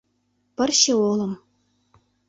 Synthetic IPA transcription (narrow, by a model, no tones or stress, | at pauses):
pɘ̆rʲɕĕolˠɤ̆m